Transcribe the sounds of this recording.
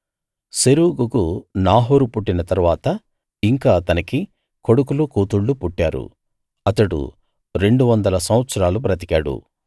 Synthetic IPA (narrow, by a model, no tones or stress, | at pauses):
seɾuːɡukunaːɦoːɾupuʈːinɐt̪ɐɾuʋaːt̪ɐ | iŋkaːt̪ɐnɐki | ko̞ɽukulukuːt̪uɭːupuʈːaːɾṵ | ɐt̪ɐɽṵ | ɾe̞ɳɖuʋɐnd̪ɐlɐsɐmʋɐt̪sɐɾaːlupɾɐt̪̬i̥kaːɽṵ